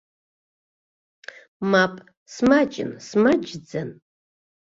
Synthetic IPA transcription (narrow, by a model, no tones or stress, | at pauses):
mapʼ | smat͡ʃʼɪ̰nsmad͡ʒd͡zan